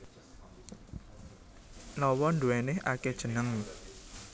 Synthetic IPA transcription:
lɔwɔnduɛnɪhʔa̰ked̥ʒ̥ə̤nəŋ

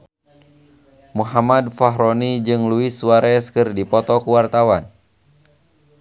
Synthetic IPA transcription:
muɦamadfaɦɾɔnid͡ʒɨŋluisuwaɾɛskɨrdipɔt̪ɔkuwart̪awan

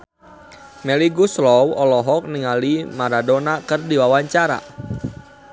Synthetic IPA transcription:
mɛliɡuslɔwɔlɔɦɔk̚niŋalimaɾadonakɨrdiwawaɲt͡ʃaɾa̰

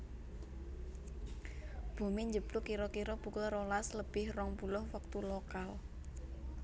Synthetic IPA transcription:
b̥o̤meɲd͡ʒəb̥lʊkiɾɔkiɾɔb̥ṳkʊlrolasləb̥ɪhrɔŋpulʊhwək̚t̪ulokal

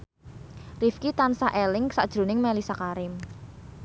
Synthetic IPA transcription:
rifkit̪ansaʔelɪŋsa̰ʔd̥ʒ̥ɾṳnɪŋmɛlisakaɾɪm

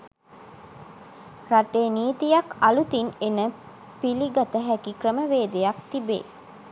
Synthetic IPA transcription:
raʈeːniːt̪ijakalut̪inenə | piliɡat̪əɦækikrəməʋeːd̪ejak̚t̪ibḛː

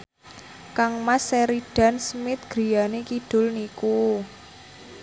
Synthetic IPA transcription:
kaŋmaseɾiɖ̥a̤nsmɪt̪̚ɡ̥ɾijanekid̥ʊ̤lniku

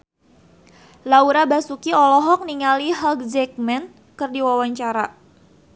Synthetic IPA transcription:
lauɾabasukiɔlɔɦɔk̚niŋaliɦalɡ̚d͡ʒɛk̚mɛn | kɨrdiwawaɲt͡ʃaɾa

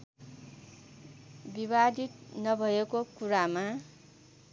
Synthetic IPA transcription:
bibad̪ʱit̪nʌbʱʌekokuɾama

